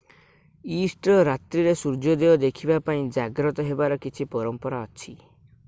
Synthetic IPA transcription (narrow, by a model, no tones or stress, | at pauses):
isʈɾɔɾat̪ɾiɾesuɾd͡ʒɔd̪eɔd̪ekʰibapaĩd͡ʒaɡɾɔt̪ɔɦebaɾɔkit͡ʃʰipɔɾɔmpɔɾaɔt͡ʃʰi